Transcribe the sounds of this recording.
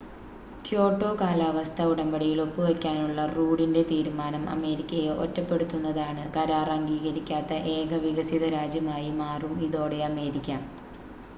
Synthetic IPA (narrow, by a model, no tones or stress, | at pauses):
kjo̞ːʈːo̞ːkaːlaːʋɐst̪ʰɐuɽɐmbɐɽijiɭo̞pːɨʋɐkʲːaːnuɭːɐruːɽinde̞t̪iːɾumaːnɐmʔɐ̰me̞ːɾikʲːɐjeʔo̰tːɐpːe̞ɽut̪ːunːɐðaːɳɨkɐɾaːrɐŋɡiːɣɐɾikʲːaːt̪ːɐʔe̞ːɡʰʱɐʋiɣɐsiðɐɾaːd͡ʑjɐmaːjimaːrumiðo̞ːɽe̞ɐme̞ːɾikʲːam